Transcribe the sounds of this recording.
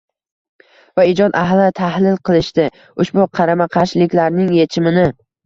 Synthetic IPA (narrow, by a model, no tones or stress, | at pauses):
vaɪd͡ʒɒd̪aɦlɪt̪ʰahlɪlqʰɨlˠɪʃt̪ɪ | ʊʃbʊqʰɑɾamaqʰɑʃlɪkʲlaɾnɪŋje̞t͡ʃʰɪmɪnɪ